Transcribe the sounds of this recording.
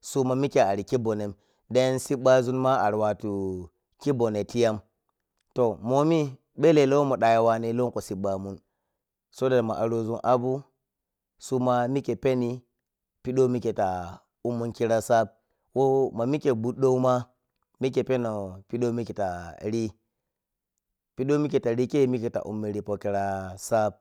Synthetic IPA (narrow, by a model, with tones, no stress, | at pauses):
su˦ma˨mi˦ke˨a˨ɾi˨ki˦bo˨ne˨m | de˦nsi˦ɓa˦zu˦nma˦a˨ɾwa˨tu˨ | ki˦bo˨ne˨ti˦ja˦m | to˨mo˨mi˦ | ɓe˦le˨lo˦wo˦mo˨ɗa˨ja˨wa˦ne˦lo˦ŋko˨si˨ɓa˨mu˦n | so˦da˨ma˨ʔa˨ɾo˦zu˦nʔa˦bu˦ | su˦ma˦mi˦ke˨pe˦ni˦ | pi˦ɗo˦mi˦ke˨ta˨ | u˦mːu˦nki˦ɾa˦sa˦b̚ | wo˦ma˨mi˦ke˨bu˦ɗo˦u˦ma˦ | mi˦ke˨pe˦no˨pi˦ɗo˦mi˦ke˨ta˨ɾi˦ | pi˦ɗo˦mi˦ke˨ta˨ɾi˦ke˦mi˦ke˨ta̰˨ʔṵ˨mːi˨ɾi˨po˦ki˦ɾa˦sa˦b̚